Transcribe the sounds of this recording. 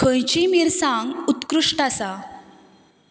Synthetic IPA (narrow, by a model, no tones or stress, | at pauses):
kʰə̃jt͡ɕimiɾsãŋɡut̪kɾuʂʈasa